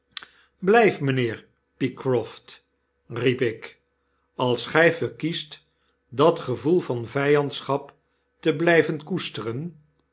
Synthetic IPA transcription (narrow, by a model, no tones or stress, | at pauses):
blɛjfmənɪːɹ | pikrɔft | ripɪk | ɑlˠsχɛjvəɹkist | dɑtχəvulˠvɑnvɛjɑntsχɑp | təblɛjvənkustərən